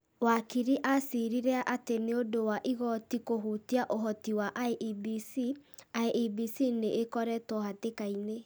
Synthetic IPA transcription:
wakiɾiʔasiɾiɾɛaʔateneodowaʔiɣɔtikoɦuːtiaʔoɦɔtiwaʔaeʔibisiaeʔibisineʔːkɔɾɛtɔhatekaine

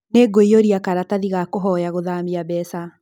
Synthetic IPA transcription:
neɡoijoɾiakaɾataðiɣakoɦɔjaɣoðamiabɛsa

